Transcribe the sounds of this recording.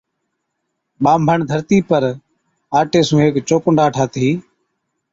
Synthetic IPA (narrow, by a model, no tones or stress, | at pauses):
ɓaːmbʱəɳd̪ʱəɾt̪iːpəɾ | aːʈeːsũːɦeːkt͡ʃoːkʊɳɖaːʈʰaːt̪ʰiː